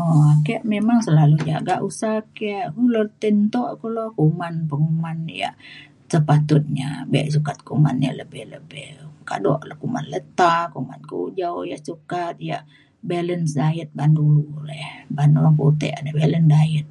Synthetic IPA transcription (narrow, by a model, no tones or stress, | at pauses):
ɔakeaʔmemaŋsəlalud͡ʒaɡaʔusahkaʔkulərt̪ənt̪ɔʔkulokumanpəŋumanja̰ʔ | səpat̪ʊt̪̚ɲa̰beʔs̬ukat̪̚kuma̰nja̰ləbɪhləbɪhka̰dɔ̰ʔləkuma̰nlət̪akuma̰nkṵd͡ʒauja̰ʔsukat̪̚jaʔ | belənsdaət̪̚bandulɛhbandulput̪ɛ̰ʔadabeləndaət̪̚